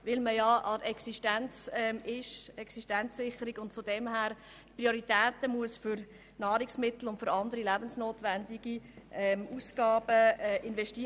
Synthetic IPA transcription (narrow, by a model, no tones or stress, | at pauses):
ʋɪlməjɑʔɑɛksiʃtænt͡sɛmɪʃɛksiʃtænt͡sːɪχəɾiɡʊntfod̥ɛmɦæːɾ | tprioɾitɛːtəmuəsfʏɾ | nɑːɾɪksmɪtl̩ʊntfʏɾɑndəɾilæb̥ənsnoːtʋændiɡ̥iʔɛmuːsɡ̥ɑːbəɛʔɪnvɛʃti